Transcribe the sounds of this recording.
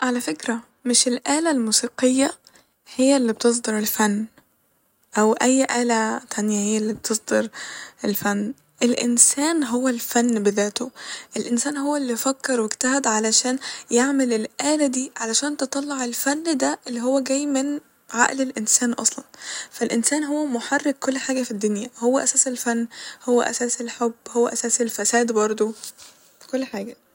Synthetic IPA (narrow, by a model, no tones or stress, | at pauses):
ʕalæfekɾæ | mɪʃelʔæːlælmuːsiːqejːæ | hejːælːib̚t̪es̬ˤd̪ɑɾˤelfænː | ʔæwʔæjːʔæːlæt̪ʰænjæhejːælːiːb̚t̪ʰesˤd̪ɑɾʔelfænː | ʔelʔɪ̰nsæːnɦowːælfænːbeðæːt̪oʔelʔensæːnɦowːælːifækːɑɾˤweɡt̪æɦæd̪ʕalæʃæːnjeʕmelelʔæːlæd̪iːʕalæʃæːnt̪et̪ˤɑlːɑʕelfænːd̪æʔelːiɦowːæɡæːjːmen | ʕa̰ʔlelʔensæːnʔɑ̰sˤlɑnfælʔensæːnɦowːæmoħarːek̚kolːħaːɡæfid̪ːonjæhowːæʔæsæːselfænːhowːæ̰ʔæ̰sæːselħobːhowːæʔæsæːselfæsæːd̪bɑɾˤd̪ˤo | kolːħaːɡæ